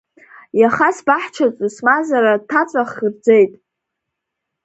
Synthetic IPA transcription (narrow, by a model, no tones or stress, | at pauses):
jaχasbaħt͡ʃʰat͡sʼɨsmazaɾatʰat͡sʷʼaχird͡zejtʼ